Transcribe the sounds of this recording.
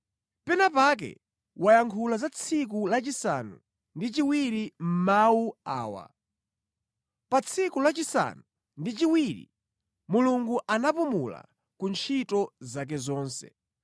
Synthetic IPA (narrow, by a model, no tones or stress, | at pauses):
pɛnapak̬ɛ̰ | wajaŋkʰulazat͡sʰik̬ulat͡ʃisa̰nu | ndit͡ʃiwiɾim̩mawua̰ːwa̰ | pat͡sʰikulat͡ʃisa̰nu | ndit͡ʃiwiɾḭ | muluŋɡuʔanapumṵla̰ | kunt͡ʃʰitɔzak̬ɛzɔːnsɛ̰